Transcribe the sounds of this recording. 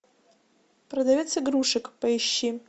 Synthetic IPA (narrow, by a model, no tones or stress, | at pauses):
prɐdavʲet͡sʰiɡruʂɨkʼpʼɐiʃːi